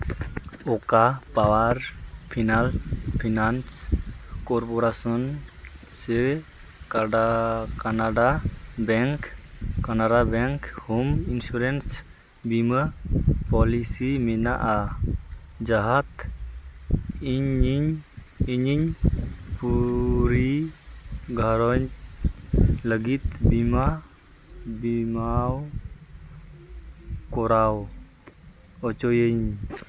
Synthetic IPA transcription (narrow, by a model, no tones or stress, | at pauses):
ɔkapawaɾpʰinalpʰinanskɔɾpɔɾasɔn | sɛ | kaɖakanaɖabɛŋkkanaɖabɛŋkhɔminsuɾɛns | biməpɔlisimɛnaʔa | d͡ʒaɦat̪ | iɲiɲ | iɲiɲpuɾi | ɡaɾɔɲ | ləɡit̪̚bima | bimaw | koɾaw | ɔt͡ʃojeɲ